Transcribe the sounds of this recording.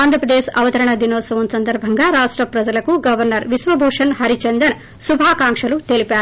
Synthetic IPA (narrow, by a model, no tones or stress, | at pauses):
aːnd̪ɾɐpɾɐd̪eːʃɐʋɐt̪ɐɾɐɳɐd̪inoːsɐʋɐnsɐnd̪ɐɾbʱɐŋɡaɾaːʂʈɾɐpɾɐd͡ʒɐlɐkuɡɐʋɐɾnɐɾʋisʋɐbʱoːʂɐnhɐɾit͡ʃɐnd̪ɐn | subʱaːkaːŋkʂɐlut̪elipaːɾ